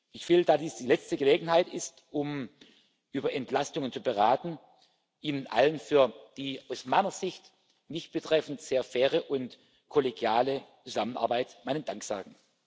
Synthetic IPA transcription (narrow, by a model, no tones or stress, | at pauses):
ʔɪçfɪldədadiːsd̥iːlɛt͡stəɡəleːɡŋ̩haɪtɪstʔʊm | ʔyːbɐʔɛntlastʊŋənt͡subəʁaːtn̩ | ʔiːnənʔa̰lənfyːɐd̥iːaʊsmaɪnɐzɪçt | nɪçt̚b̥ətʁ̥ɛfn̩tz̥eːɐfɛːʁəʔʊnt | kʰɔleɡjaːlət͡suzamənʔa̰ɐbaɪtmaɪnənd̥aŋkz̥a̰ːɡŋ̩